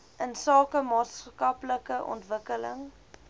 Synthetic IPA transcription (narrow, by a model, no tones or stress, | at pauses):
ʔənsɑːkəmɑːtskɐpləkəʔɔ̰ntvəkələ̰ŋ